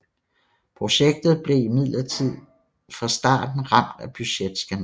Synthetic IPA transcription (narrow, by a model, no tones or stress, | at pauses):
pʰʁo̝ɕeɡ̥̚d̥ð̞̩ˠb̥le̝imið̰ˠlɐt͡sʰið̰ˠ | fɑ̈sd̥ɑ̰̈ːd̥n̩ʁɑ̈m̰d̥æb̥yɕed̥sɡ̥æn